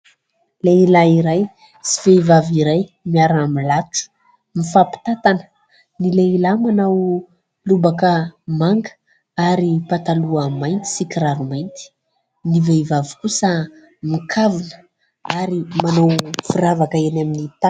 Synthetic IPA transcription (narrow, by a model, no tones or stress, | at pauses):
leilaiɾaj | si̥veivaviɾaj | miaɾamilaʈ͡ʂu̥ | mifapi̥t̪at̪anə̥ | nileilamanaw | lubakəmaŋɡə̥ | aɾipat̪aluamajnt̪i̥sikiɾaɾumajnt̪i̥ | nivevavi̥kusə | mikʰavunə̥ | aɾimanawfiɾavakəenaminit̪a